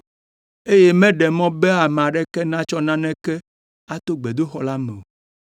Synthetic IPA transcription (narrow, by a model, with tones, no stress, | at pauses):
e˦je˦mɛ̃˦ɖɛ˨mɔ̃˦be˦a˨m˨ã˨ɖɛ˦kɛ˦nã˦t͡ʃɔ˦nã˦nɛ̃˦kɛ˦ | a˦t̪o˦ɡ͡be˨d̪o˦xɔ˨la˦mɛ˨o˨